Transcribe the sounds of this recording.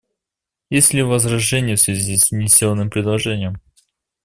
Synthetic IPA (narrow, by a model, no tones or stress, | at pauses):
jesʲlʲɪvəzrɐʐɛnʲɪjfsvʲɪzʲisʲnʲɪsʲolˠənːɨmpɾʲɪd̪lˠɐʐɛnʲɪjəm